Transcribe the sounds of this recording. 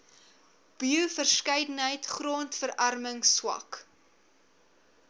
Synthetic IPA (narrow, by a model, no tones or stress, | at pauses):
b̥iufərskəjdənɦəjtχroːntfəɾɐrməŋswɐ̰k